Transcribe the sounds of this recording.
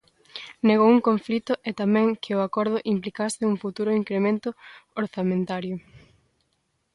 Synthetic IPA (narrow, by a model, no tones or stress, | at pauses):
neɣowuŋkoɱflit̪ʊʔɛt̪amɛ̃ŋkʰɪʊakɔɾð̞ʊʔimplikasɪuŋfut̪uɾʊiŋkɾemẽnt̪ʊoɾθamẽnt̪aɾjʊ